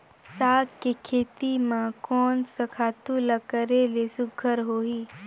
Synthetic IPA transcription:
saːkkekʰeːt̪imãkɔːnsɐkʰaːt̪uləkəɾelesʊɡʱəɾɦoːiː

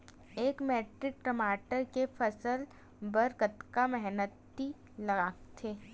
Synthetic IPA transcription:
eːkmeːʈɾɪk̚ʈəmaːʈəɾkefʰɐsəl | bɐɾkət̪kamɛɦnət̪ːi | lɐɡaːkt̪ʰeː

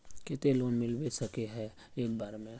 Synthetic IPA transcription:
ket̪eloːnmɪlbesɐkeɦɛ | eːk̚baːɾmẽ

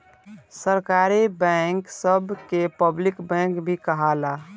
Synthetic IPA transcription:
səɾkaːɾibɛ̃ŋksəbʱkepəblɪkbɛ̃ŋkbʱikəɦalaː

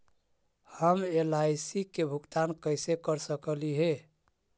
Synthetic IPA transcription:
həmelajsikebʱukt̪ankəɪsekəɾsəkəliɦe

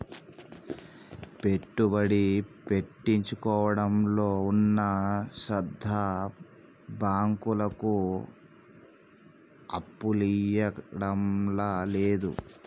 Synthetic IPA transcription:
pe̞ʈːubɐɽipe̞ʈːiɲt͡ʃukɔːʋɐɽɐmloːunːɐʃɾɐd̪ʱːɐ | baːŋkulɐku | ɐpːulijɐɽɐmlaleːd̪ṵ

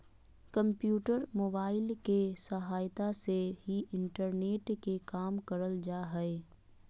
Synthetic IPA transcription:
kə̃mpjuːʈəɾmoːbaːɪlkesəɦaːjt̪aseɦiʔɪ̃ɳʈəɾneːʈkekaːmkəɾəld͡ʒaːɦɛe

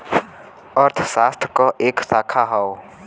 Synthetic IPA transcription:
əɾt̪ʰsaːst̪ʰkɔʔeːksaːkʰaɦao

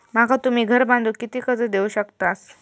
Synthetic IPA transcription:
makat̪um̤iːɡʱəɾbãnd̪ʱuːkit̪iːkət͡səd̪euɕəkt̪as

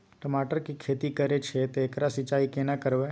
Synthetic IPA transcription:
ʈəmaʈəɾkikʰet̪ikəɾet͡ʃʰet̪eːkɾasit͡ʃaikenakəɾʋe

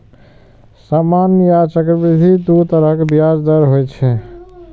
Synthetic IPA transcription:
samanjat͡ʃəkɾəbid̪ʱid̪ut̪əɾəkebjad͡ʒd̪əɾɦojt͡ʃʰɛ

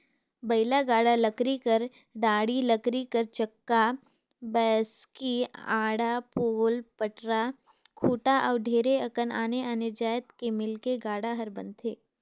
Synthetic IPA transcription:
bɐɪlaɡaːɽaləkɾikəɾ | ɖaːɽiləkɾikəɾt͡ʃɐkːa | bɛːskiaːɽapoːlpəʈɾa | kʰuːʈaʔɔːɾɖʱeːɾeɐkənaːneənɪɾd͡ʒaːjət̪kemɪlkeɡaːɽaɦɐɾbɐ̰̃nt̪ʰeː

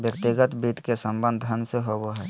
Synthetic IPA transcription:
bjəkt̪ɪɡət̪bit̪kesə̃mbə̃nd̪ʱənd̪seɦoboɦɛː

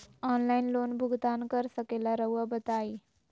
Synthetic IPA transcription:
ɔnlainlonbʱuɡd̪ankəɾsəkelaɾəʋəbət̪ai

